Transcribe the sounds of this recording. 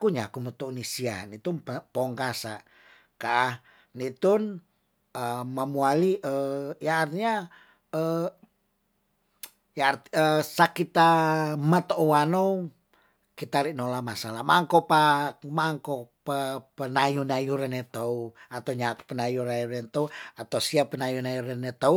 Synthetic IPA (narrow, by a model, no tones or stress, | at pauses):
kuɲakumət̪ounisia̰nit̪unpoŋkasa | kaʔːh | nit̪un | əmamualiəjaːrt̪iɲa | ə | jart̪iəsakit̪amət̪ouano | kit̪aɾiʔnolamasalamaŋkopamaŋkopəpənajunajuɾanet̪ouat̪auɲakpənajuɾajuɾɛnt̪ouat̪ausiapənajunajuɾanet̪au